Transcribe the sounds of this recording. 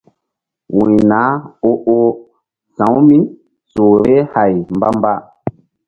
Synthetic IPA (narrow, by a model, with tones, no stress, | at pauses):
wĩ˨na˨˦o˦ʔo˦ | sã˨˦wmi˦n | so˨ɾe˦ha˨jmba˦m˦ba˦